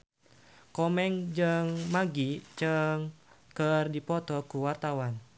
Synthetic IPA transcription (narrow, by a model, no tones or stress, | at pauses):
kɔmɛŋd͡ʒɨŋmaɡit͡ʃɨŋ | kərdipɔt̪ɔkuwart̪awan